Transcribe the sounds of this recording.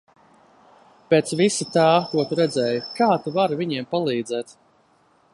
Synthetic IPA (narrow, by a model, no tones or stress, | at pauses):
peːt̪svisit̪aːkuɔt̪uɾɛd̪zɛːjukaːt̪uvaɾviɲiɛmpalˠiːd̪zɛːt̪